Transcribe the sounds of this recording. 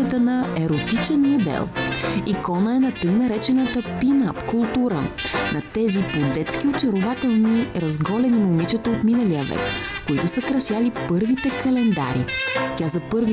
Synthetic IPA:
ət̪ənɐɛɾot̪it͡ʃɛnmod̪ɛ̰lˠikɔnəɛnɐt̪ɤjnɐɾɛt͡ʃɛnət̪əpinapkʊlˠt̪uɾə̰nʔɐt̪ɛzipod̪ɛt̪sk̟iot͡ʃɐɾʊvat̪ɛlˠniɾɐzɡɔlɛnimomit͡ʃət̪əot̪minəlijəvɛ̰kkoit̪ʊsɐkɾɐsjalipɤɾvit̪ɛkɐlɛnd̪a̰ɾḭt̪ʲazɐpɤɾvi

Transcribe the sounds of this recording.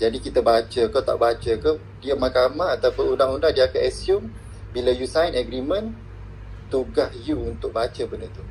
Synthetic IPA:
d͡ʒadikit̪abat͡ʃəkət̪a̰ʔbat͡ʃəkə | diamakamaat̪awpʊnundaŋundahdiakaʔɛsjum | bilajusajnɛɡɾimə̃n | t̪uɡahjuunt̪ʊk̚bat͡ʃəbəndət̪u

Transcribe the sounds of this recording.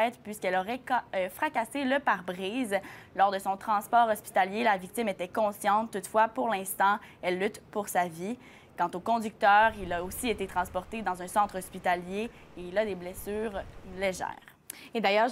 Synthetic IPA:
ɛːt̪pɥiskɛlɔʁɛkfχakaseləpaʁbʁiːzlɔʁd̪əsɔ̃t̪χɑ̃spɔːʁɔspi̥t̪aljelavik̚t̪imet̪ɛkɔ̃sjɑ̃t̪t̪ːut̪fwapuʁlɛ̃st̪ɑ̃ɛlːyt̪puʁsavi | kɑ̃t̪okɔ̃d̪yk̚t̪œːʁilaosiet̪et̪χɑ̃spɔʁt̪ed̪ɑ̃zœ̃sɑ̃t̪χɔspit̪alje | eilad̪eblɛsyːʁleʒɛ̰ːʁ | ed̪ajœːʁ

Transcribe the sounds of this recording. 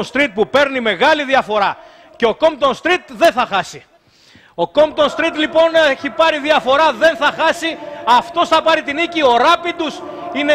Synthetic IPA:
nst̪ɾit̪̚pupe̞ɾnime̞ɣɐliðiɐfo̞ɾɐ | ceo̞ko̞mpt̪o̞nst̪ɾit̪ðe̞nθɐxɐsi | o̞ko̞mpt̪o̞nst̪ɾit̪lipo̞neçipɐɾiðiɐfo̞ɾɐðe̞nθɐxɐsiɐft̪o̞sθɐpɐɾit̪inicio̞ɾɐpit̪us | ine

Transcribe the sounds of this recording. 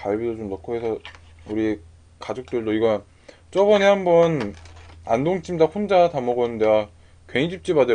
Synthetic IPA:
kaɭbidot͡ɕomnʌkʰʌɦesʰʌ | uɾie | kad͡ʑok̚t͈ɯɭdoiɡʌn | t͡ɕ͈ʌbʌnehambʌn | andoŋt͡ɕ͈ʰimdaɸond͡ʑatamʌɡʌnɯndea | kweŋid͡ʑʰip̚t͡ɕ͈ibade

